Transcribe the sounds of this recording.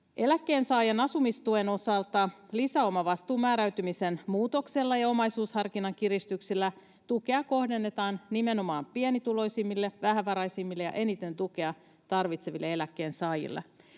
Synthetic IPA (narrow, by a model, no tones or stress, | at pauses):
ʔe̞lækːe̞ːnsɑːjɑnɑsumist̪ue̞no̞sɑlt̪ɑlisæo̞mɑʋɑst̪uːmæːɾæɥt̪ymise̞nmuːt̪o̞kse̞lːɑjɑo̞mɑjsuːshɑrkinɑŋk̟iɾist̪yksilːæ | t̪uke̞ɑko̞hde̞nːe̞t̪ɑːnnime̞no̞mɑːmpienit̪ulo̞jsimːilːeʋæɦæʋːɑɾɑjsimːilːejɑ̰ʔe̞nit̪e̞nt̪uk̟e̞ɑ | t̪ɑrʋit̪se̞ʋilːee̞lækːe̞ːnsɑːjḭlːḛ